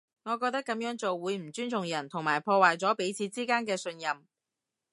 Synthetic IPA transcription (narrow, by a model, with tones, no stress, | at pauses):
ŋɔː˨˧k̬ɔː˧k̚t̪ɐ˥kːɐ˨˥mjœː˨˥ŋt͡so˨wːuː˨˧jm̩˨˩t͡syː˥nt͡sʰʊ˨˩ŋjɐ˨˩nt̪ʰʊ˨˩ŋmaː˨˩jpʰɔː˧waː˨jt͡sɔː˨˥pe˨˥jt͡sʰiː˨˧t͡siː˥kaː˥nkɛː˧sɵ˧njɐ˨m